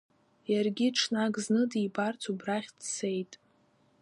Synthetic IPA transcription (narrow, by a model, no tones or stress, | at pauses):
jarɡʲiʈ͡ʂʰnaɡʼznɨdibart͡sʰubraχʲdse̞jtʼ